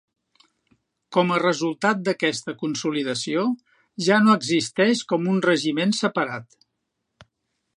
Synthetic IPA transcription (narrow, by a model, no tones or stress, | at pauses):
kɔmərəzulˠt̪at̪̚d̪əkɛst̪əkunsuliðəsio | ʒanoəɡzist̪ɛʃkɔmunrəʒimensəpəɾat̪